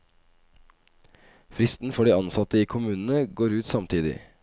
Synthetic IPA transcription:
fɾɪst̪n̩fɔɖiːɑnsɑt̪əiːkʰʊmʉːnn̩əɡoːɾʉːt̪sɑmt̪ʰiːd̪ɪ̰

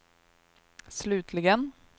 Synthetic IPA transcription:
slʉːt̪ʰlɪɡən

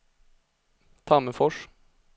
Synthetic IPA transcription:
t̪ʰɑːməfɔʂ

